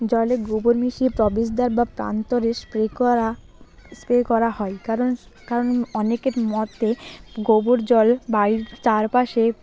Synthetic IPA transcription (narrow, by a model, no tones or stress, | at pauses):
d͡ʑɔleɡobuɾmiʃipɾɔbid͡ʑd̪aɾbapɾa̰nt̪oɾespɾeka | spɾekɔɾaɦɔekaɾon | kaɾonɔnekeɾmɔt̪eɡobuɾd͡ʑɔlbait͡ɕaɾpaʃe